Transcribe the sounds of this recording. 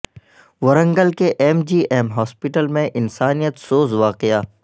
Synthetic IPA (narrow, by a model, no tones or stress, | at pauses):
ʋɐɾə̃ŋɡəlkeʔɛmd͡ʒiːʔɛːmɦɔːspɪʈəlmẽʔɪnsaːnijət̪soːzʋaːqejaː